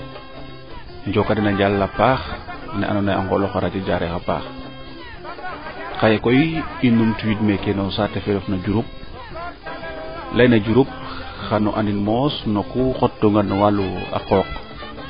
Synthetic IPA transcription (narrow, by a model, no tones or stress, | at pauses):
ɲɟɔkːadinaɲɟalːapaːxnɛ̰ʔa̰nɔnaja̰ŋɡɔlɔxaɾacaɟaɾɛxapa̰ːx | kajekɔjiinumtuwitmɛkenɔnsatɛfɛɾɔfnaɟuɾup̚ | lɐjnɐɟuɾup̚ | xanɔʔaninmɔsnɔkuxɔt̚doŋɡanwalua̰qɔːk